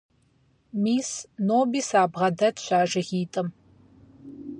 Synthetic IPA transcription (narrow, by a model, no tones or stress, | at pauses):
miːsnoːbiːsaːbʁɐdɐtʰɕʷaːʒɐʁiːtʼɨm